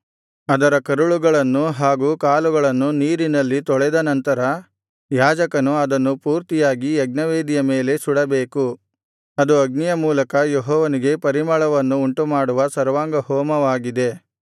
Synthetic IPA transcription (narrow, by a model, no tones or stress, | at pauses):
ɐd̪ɐɾɐkɐɾuɭuɡɐɭɐnːuɦaːɡuːkaːluɡɐɭɐnːuniːɾinɐlːit̪ɔɭɛd̪ɐnɐnt̪ɐɾɐ | jaːd͡ʒɐkɐnuɐd̪ɐnːupuːɾt̪ijaːɡiɐɡnɐʋeːd̪ijɐmeːle̞suɽɐbeːku | ɐd̪uɐɡnijɐmuːlɐkɐjeɦɔːʋɐniɡe̞pɐɾimɐɭɐʋɐnːuːɳʈumaːɽuʋɐsɐɾʋaːŋɡɐhɔːmɐʋaːɡid̪e̞